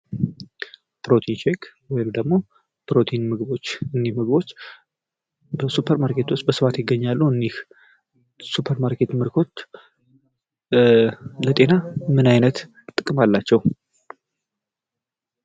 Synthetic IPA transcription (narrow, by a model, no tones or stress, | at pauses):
bɾo̞t̪ʰint͡ʃekwɔjmd̪əɡmo̞ | bɾo̞t̪ʰejnmɨɡɨbo̞t͡ʃːɨnːihmɨɡɨbo̞t͡ʃː | bəsupʰəɾmaɾkʰe̞t̪ʰwʊst̪̚bəsɨfat̪jɪɡːəɲːalːuɨnih | supʰəɾmaɾkʰe̞t̪mɨɾkʰo̞t̪ | lət̪ʼe̞namɨnajnət̪ | t̪ʼɨkʼɨmalːat͡ʃːɛw